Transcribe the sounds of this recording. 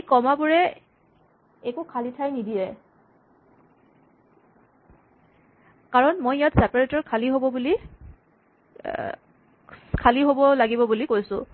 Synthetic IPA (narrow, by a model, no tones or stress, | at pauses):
ejkɔmabuɹɛ | ɛkukʰalitʰajnidijɛ | kaɹɔnmojjatsɛpaɹetɔɹkʰaliɦobɔbuli | kʰaliɦobɔlaɡibɔbulikojsʊ̰̃